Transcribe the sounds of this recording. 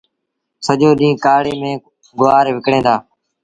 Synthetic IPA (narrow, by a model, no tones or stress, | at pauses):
səʄoːɗĩːkaːɽeːmẽː | ɡʊʋaːɾʋɪkɽẽːnd̪aː